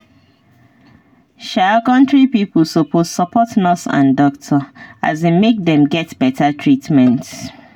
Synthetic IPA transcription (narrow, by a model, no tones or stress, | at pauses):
ʃakɔ̃ntɹipipl̩sopʰozsɔpʰɔtnɔsã̰ndɔktʰɔa̰zemek̚dɛ̃mɡɛtb̥ɛtʰatʰɹitmɛ̃nt